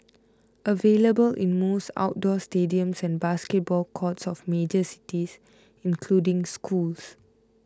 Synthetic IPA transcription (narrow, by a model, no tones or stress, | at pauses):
ʔəveləbəlʔḭ̃nmosta̰ʊt̚dɔstediə̃msɛ̃nbaskɛt̚bɔlkʰɔtsɔfmed͡ʒəsi̥tis | ĩnkʰludĩŋskʰuls